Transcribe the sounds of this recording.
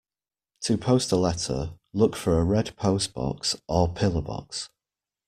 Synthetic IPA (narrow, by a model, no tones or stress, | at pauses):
tʰəpʰoʊstəlɛtʰə̰ | lʊkfəɹəɹɛdpʰoʊsb̥ɒ̰ksʔəpʰɪləbɒ̰ks